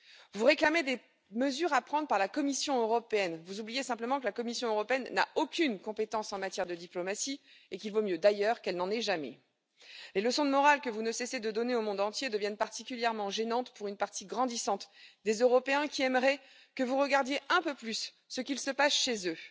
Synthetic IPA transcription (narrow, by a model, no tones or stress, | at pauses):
vuʁeklamed̪e | məzyʁapχɑ̃d̪ʁpaʁlakɔmisjɔ̃øʁɔpeɛnvuzublijesɛ̃pləmɑ̃kəlakɔmisjɔ̃øʁɔpeɛnːa̰okʲynkɔ̃pet̪ɑ̃sɑ̃mat̪jɛʁd̪əd̪iplɔmasiekʲilvomjød̪ajœʁkɛlnɑ̃nɛʒamɛ̰ | leləsɔ̃d̪əmɔʁalkəvunəsɛsed̪əd̪ɔneomɔ̃d̪ɑ̃t̪jed̪əvjɛnpaʁt̪ikʲyljɛʁmɑ̃ʒenɑ̃t̪puʁynpaʁt̪iɡʁɑ̃d̪isɑ̃t̪d̪ezøʁɔpeɛ̃kʲiɛmʁɛ | kəvuʁəɡaʁd̪jeʔɛ̃pøplysː | əkʲilsəpasʃezø